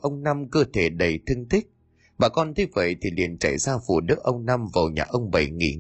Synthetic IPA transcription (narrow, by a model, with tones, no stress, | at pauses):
ʔə˧wŋ͡mna˧mkəː˧t̪ʰe˧˩ɗə˨˩jt̪ʰɨ˧ŋt̪i˦˥k̟̚ | ɓaː˨˩kɔ˧nt̪ʰi˨˦və̰˧˨jt̪ʰi˨˩lḭ˧˨ənt͡ɕa̰˧˩jzaː˧vṵ˧˩ɗɨ˦˥əʔ̚ʔə˧wŋ͡mna˧mva˨˩wɲa̰ː˨˩ʔə˧wŋ͡mɓə˧˩jŋḭ˧˩